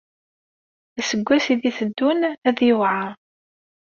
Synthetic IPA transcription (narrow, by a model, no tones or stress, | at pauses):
æsəɡʷːæsiðiθəd̪ːʊnæðjəvʕa